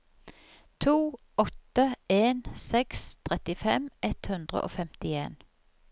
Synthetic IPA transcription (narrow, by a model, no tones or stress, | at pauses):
t̪ʰuː | ɔt̪əeːnsɛkst̪ʰʁɛt̪ɪfɛmɛt̪hʉnd̪ʁə̰ʔo̰ːfɛmt̪ɪeːn